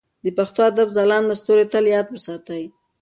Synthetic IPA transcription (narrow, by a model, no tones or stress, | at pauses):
d̪əpaxt̪oad̪abzalɑnlast̪oɾet̪əljɑt̪̚bəsɑt̪aj